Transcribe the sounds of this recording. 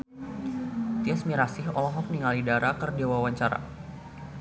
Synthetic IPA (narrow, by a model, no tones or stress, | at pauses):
t̪iɛsmiɾasɪɦɔlɔɦɔk̚niŋalidaɾakərdewawaɲt͡ʃaɾa̰